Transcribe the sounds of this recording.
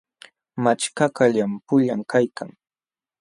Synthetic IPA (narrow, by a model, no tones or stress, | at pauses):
mat͡ʃkakaʎampʊʎamkajka̰ŋ